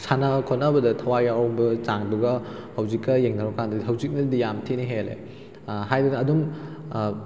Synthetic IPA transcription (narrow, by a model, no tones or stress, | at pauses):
sanɐkʰonɐbɐdɐtʰɐwajawbɐzaŋduɡɐhɐwzikːɐjeŋdaɾɐkandɐdiɦɐwzik̚nɐdijamtʰiniɦelḛ | hajdɐdɐːdum